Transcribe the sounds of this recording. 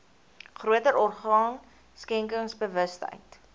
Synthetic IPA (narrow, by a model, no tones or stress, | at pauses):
χruətəɾɔrχɑːn | skɛŋkəŋsbəvəstə̰jt